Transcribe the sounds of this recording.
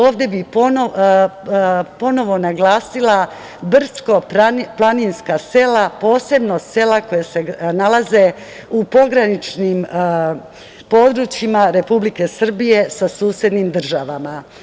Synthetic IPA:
oːʋd̪je̞biono | po̞no̞ʋo̞naɡlaːsilˠa | br̩sko̞aplˠaninskase̞lapo̞ːse̞bno̞se̞lako̞jase̞nalaze̞ | upo̞ɡɾanit͡ʃnim | po̞d̪ɾuːt͡ʃjimaɾe̞publike̞sr̩bije̞sasuːsje̞d̪niːmd̪r̩ʒaʋama

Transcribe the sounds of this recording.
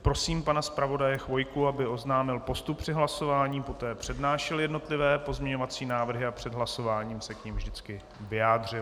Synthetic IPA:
pɾo̞siːmpanaspɾavo̞dajɛxvo̞jkuabɪo̞znaːmɪlpo̞st̪up̚pr̥ɪɦlaso̞vaːɲiːpo̞t̪ɛːpr̥ɛdnaːʃɛljɛdno̞t̪lɪvɛːpo̞zmɲɛɲovat͡siːnaːvr̩ɦɪapr̝̥ɛd̪ɦlaso̞vaːɲiːmsɛkɲimvdɪt͡skɪ | vɪjaːdr̝ɪl

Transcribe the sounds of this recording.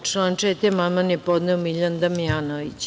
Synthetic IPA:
ʈ͡ʂlaːnʈ͡ʂɛt̪ɛmamanjepod̪nɛomiʎand̪amiaːnoʋit͡ɕ

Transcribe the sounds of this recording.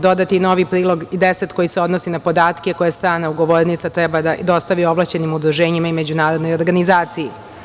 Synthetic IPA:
d̪o̞d̪at̪ino̞ʋipɾiːlˠo̞ɡid̪eset̪ko̞jiseo̞d̪nosinapo̞d̪aːt̪keko̞jast̪ɾaːnauɡo̞ʋoːɾnit̪sat̪ɾɛbad̪ad̪o̞st̪aʋio̞ʋlˠat͡ɕe̞nimud̪ɾuʒeːɲimaime̞d͡ʑunaːɾod̪nojoɾɡanizaːt̪siji

